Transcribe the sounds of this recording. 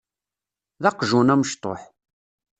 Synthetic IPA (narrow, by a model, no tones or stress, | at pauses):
ðɑqʒunæməʃt̪ˤo̰ħ